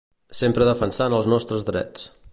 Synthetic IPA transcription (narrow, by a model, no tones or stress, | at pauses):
sempɾəðəfənsanəlˠznɔst̪ɾəzðɾɛ̰t͡s